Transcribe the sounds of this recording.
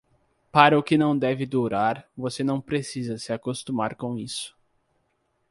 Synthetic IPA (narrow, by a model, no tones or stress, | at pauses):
paɾɐʊkɪnɐ̃w̃d̪ɛvɪd̪uɾaɾvosenɐ̃w̃pɾesizɐsɪakost̪umaɾkõw̃isʊ̥